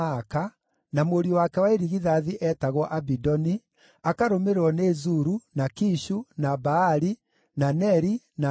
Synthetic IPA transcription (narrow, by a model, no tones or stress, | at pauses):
ka | namoɾiwakɛwaeɾiɣiðaðiʔɛtaɣwɔʔabidɔni | akaɾomeɾeɾɔnezuɾunakiʃunabaːɾi | nanɛɾi | na